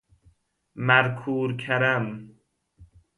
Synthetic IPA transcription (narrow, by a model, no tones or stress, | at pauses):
mæɾkʰuːɾkʰæɾæm